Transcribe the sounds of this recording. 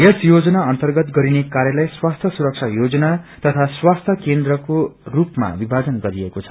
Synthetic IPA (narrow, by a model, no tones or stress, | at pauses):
jesjod͡zʌnaʌnt̪ʌrɡʌt̪ɡʌɾinekaɾjʌlajswast̪ʰjʌsuɾʌk̚t͡sʰajod͡zʌnat̪ʌt̪ʰaswast̪ʰjʌkend̪rʌkorupma̰bibʱad͡zʌnɡʌɾiekot͡sʰʌ̥